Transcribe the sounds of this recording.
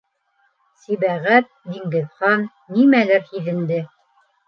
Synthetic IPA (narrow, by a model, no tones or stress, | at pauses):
siβæʁæt̪̚d̪iŋɡɘ̆ðχɑnːimælæɾhiðɘ̆nd̪ɘ